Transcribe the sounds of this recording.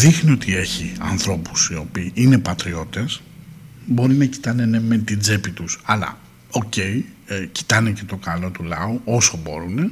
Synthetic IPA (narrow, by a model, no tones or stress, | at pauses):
ðixnio̞t̪ie̞çiɐ̰nθɾo̞pu̥sio̞piːʔine̞pɐt̪ɾio̞t̪e̞s | bo̞ɾinɐci̥t̪ɐnene̞met̪id͡zepit̪usɐlɐ̰ | o̞ce̞ici̥t̪ɐnece̞t̪o̞kɐlo̞t̪ulɐooso̞bo̞̰ɾune̞